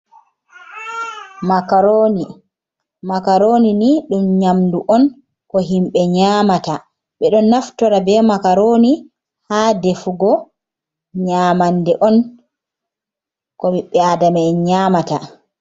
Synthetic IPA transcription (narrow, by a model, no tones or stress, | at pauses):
makaɾoni | makaɾoniniɗumɲamduʔɔn | kɔɦimɓɛɲaːmata | ɓɛɗɔnːaftɔɾabɛmakaɾoni | haːdefuɡɔ | ɲaːmandɛʔɔn | kɔmiɓːɛadamaɲaːmata